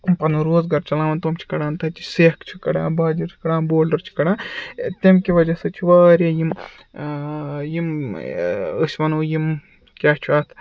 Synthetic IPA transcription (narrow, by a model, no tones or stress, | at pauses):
pɐnuɾoːzɡɐɾt͡ʃɐlaːʋɐnt̪omt͡ʃʰi̥kɐɽãːnt̪ɐt͡ʃi̥seːkt͡ʃʰukɐɽã̰ːnbaːd͡ʒiɾt͡ʃʰi̥kɐɽãːnboːlɖɐɾt͡ʃʰi̥kɐɽãːt̪emkiʋɐd͡ʒɐsɐt͡ʃʰiʋaːɾeːjim | jim | ɨsʲʋɐnuːjim | kʲaːt͡ʃʰuaːt̪ʰ